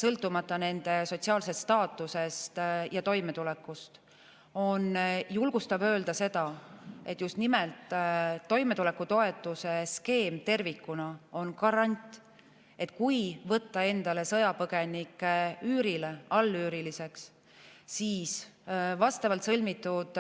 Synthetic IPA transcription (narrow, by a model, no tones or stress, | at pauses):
sɤlt̪ːˑumɑt̪ːˑɑne̞nd̪̥e̞so̞t̪siɑːlse̞st̪st̪ɑːt̪ːˑuse̞st̪jɑt̪o̞jme̞t̪ulekːˑust̪ | o̞njulɡ̥ust̪ɑbø̞ːld̪̥ɑse̞d̪ɑe̞t̪ːˑjust̪nimelt̪ːo̞jme̞t̪ule̞kːut̪o̞e̞t̪ːˑuse̞ske̞ːmt̪e̞rvikːunɑo̞nkɑɾɑnʲt̪ʲˑ | e̞t̪ˑkujvɤt̪ːɑe̞nd̪̥ɑle̞sɤ̞jɑpɤɡ̥e̞nikːˑeyːɾileɑlːyːɾilise̞ks | siːsvɑst̪ɑvɑlt̪sɤlʲmit̪ːˑud̪̥